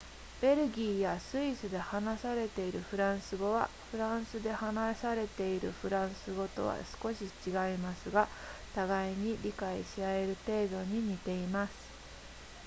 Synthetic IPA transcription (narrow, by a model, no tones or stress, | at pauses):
b̥e̞ɾɯ̟ɡʲiːjasɨisɨd̪e̞hanasaɾe̞t̪e̞iɾɯ̟ɸɯ̟ɾãɰ̃sɨɡo̞βa | ɸɯ̟ɾãɰ̃sɨd̪e̞hanasaɾe̞t̪e̞iɾɯ̟̰ɸɯ̟ɾãɰ̃sɨɡo̞t̪o̞̰βa̰sɨ̥ko̞ɕit͡ɕiɡaimasɨɡat̪aɡaiɲ̟iɾʲikaiɕiae̞ɾɯ̟t̪e̞ːd̪o̞ɲ̟iɲ̟it̪e̞imasɨ̥